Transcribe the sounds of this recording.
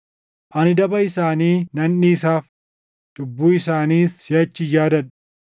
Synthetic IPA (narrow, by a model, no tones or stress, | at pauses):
ʔɐnɪd̪ɐbɐɪsaːniːnɐnːiːsaːf | d̪̥ʊbːuːɪsaːniːsːɪjɐt͡ʃːɪjaːd̪ɐn